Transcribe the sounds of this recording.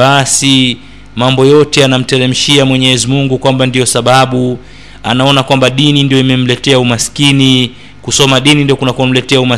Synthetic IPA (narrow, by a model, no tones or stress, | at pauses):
asi | mambɔjɔtɛanam̩tɛɾɛm̩ʃiamwɛɲɛɛzimuŋɡukwambandijɔsaɓaɓu | a̰naɔnakwambaɗinindijɔimɛm̩lɛtɛaumaskini | kusɔmaɗinindijɔkunakuam̩lɛtɛauma